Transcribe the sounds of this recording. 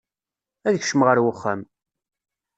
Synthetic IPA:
æðəçʃəmʁəɾwəχːæm

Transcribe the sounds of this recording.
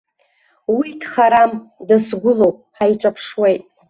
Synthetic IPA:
widχaɾamdasɡʷʊlowpʼħajʈ͡ʂʼapʰʂwejtʼ

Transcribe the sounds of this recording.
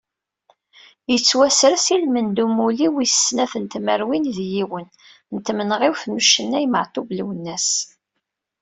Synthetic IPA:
jət͡sːwæsɾəsilmənd̪umuliwiə̥snæfənt̪məɾwinðjiwən | nt̪ːmənʁɪwθnuʃənːæjmə̰ʕt̪ˤubluwənːæs

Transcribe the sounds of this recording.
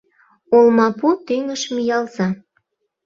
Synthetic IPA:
olmɑput̪yŋəʃmijɑlzɑ

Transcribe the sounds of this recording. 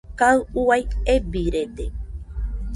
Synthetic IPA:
kaɨuajebiɾed̪e

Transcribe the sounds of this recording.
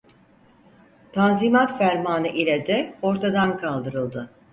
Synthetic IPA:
t̪ʰanzimat̪fæɾmaːnɯʔilʲɛd̪ɛo̞ɾt̪ʰad̪ankʰalˠd̪ɯɾɯlˠd̪ɯ

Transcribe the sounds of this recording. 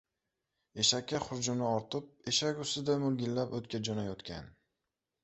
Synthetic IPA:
e̞ʃakʲːaχʊɾd͡ʒʊmnɪɒɾt̪ʰɪp̚e̞ʃakʲʊst̪ɪd̪amʊlˠɡʲɪlːapɵt̪kʲad͡ʒɒnajot̪kʲʰa̰n

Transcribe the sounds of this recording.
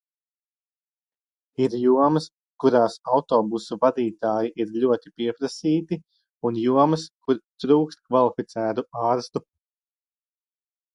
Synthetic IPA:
iɾjuɔmɐs | kuɾaːsawt̪ɔːbusuvad̪iːt̪aːjiʔiɾʎʲuɔt̪ipiɛpɾasiːt̪i | unjuɔmɐskuɾt̪ɾuːkst̪̚kvalˠifit̪sæːt̪uɑːɾst̪u

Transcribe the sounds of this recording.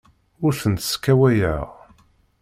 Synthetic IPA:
ʊɾθənt̪skːæwæjə̰ʁ

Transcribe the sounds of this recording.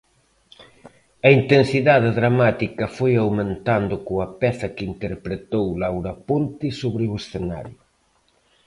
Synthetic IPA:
ɐint̪ensiðaðɪðɾamat̪ikɐfojawmẽnt̪and̪ʊkoɐpɛθɐkɪint̪eɾpɾet̪owlawɾɐpont̪ɪsoβɾɪʊesθena̰ɾjʊ

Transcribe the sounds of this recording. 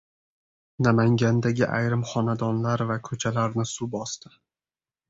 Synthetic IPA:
namaŋɡʲand̪aɡʲɪʔa̰jɾɪmχɒnad̪ɒnlaɾvakʰɵt͡ʃʰalaɾnɪsʊbɒst̪ɪ

